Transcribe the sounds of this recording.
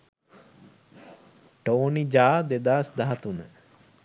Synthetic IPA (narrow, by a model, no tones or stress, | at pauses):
ʈoːnid͡ʒaːd̪ed̪aːsd̪aɦɐt̪unə